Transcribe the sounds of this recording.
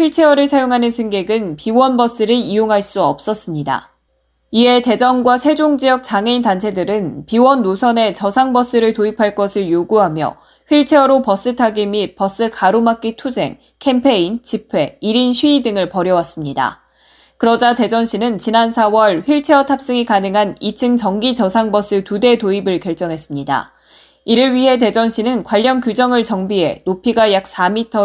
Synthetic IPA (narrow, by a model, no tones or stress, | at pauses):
ɸiɭt͡ɕʰe̞ʌɾɯɭsʰajoŋɦanɯnsʰɯŋɡe̞ɡɯnpiwʌnbʌs͈ɯɾɯijoŋɦaɭs͈uʌp̚s͈ʌs͈ɯmɲida̰ | ie̞te̞d͡ʑʌnɡwasʰe̞d͡ʑoŋd͡ʑijʌk̚t͡ɕaŋeintant͡ɕʰe̞dɯɾɯnpiwʌnːosʰʌne̞t͡ɕʌsʰaŋbʌs͈ɯɾɯɭtoipʰaɭk͈ʌsʰɯɭjoɡuɦamjʌ̰ | ɸɥiɭt͡ɕʰe̞ʌɾopʌs͈ɯtʰaɡimip͈ʌs͈ɯkaɾomak͈itʰud͡ʑe̞̰ŋ | kʰe̞mpʰe̞int͡ɕipʰwe̞iɾinɕʰɥiːdɯŋɯɭpʌɾjʌwas͈ɯmɲida̰ | kɯɾʌd͡ʑate̞d͡ʑʌnɕ͈ʰinɯnt͡ɕinansʰawʌɭɸɥiɭt͡ɕʰe̞ʌtʰap̚s͈ɯŋikanɯŋɦanit͡ɕʰɯŋt͡ɕʌŋɡit͡ɕʌsʰaŋbʌs͈ɯtude̞toibɯɭkjʌɭt͡ɕ͈ʌŋɦe̞s͈ɯmɲida̰ | iɾɯɭɥiɦe̞te̞d͡ʑʌnɕ͈inɯnkwaʎːʌnkjud͡ʑʌŋɯɭt͡ɕʌŋbiɦe̞̰nopʰiɡajak̚s͈amitʰʌ